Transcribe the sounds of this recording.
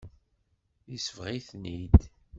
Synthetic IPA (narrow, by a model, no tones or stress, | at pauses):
jisəvʁiθnid̪